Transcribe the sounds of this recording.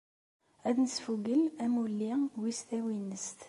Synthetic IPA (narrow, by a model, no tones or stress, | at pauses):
æðnəsfuɡəlæmulːiwist̪æwinːəst̪